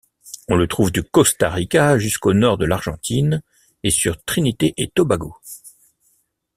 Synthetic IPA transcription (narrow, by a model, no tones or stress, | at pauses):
ɔ̃lət̪χuvd̪əkɔst̪aʁikʲaʒyskonɔʁd̪əlaʁʒɑ̃t̪ʰin | esyʁt̪χinit̪eʔet̪ɔbaɡo